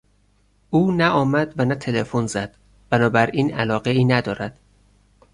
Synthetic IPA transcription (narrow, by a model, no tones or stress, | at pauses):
ʔuːnæʔɒːmæd̪vænæt̪ʰelefonzæd̪̥ | b̥ænɒːbæɾiːnælɒːɣe̞iːnæd̪ɒːɾæd̪̥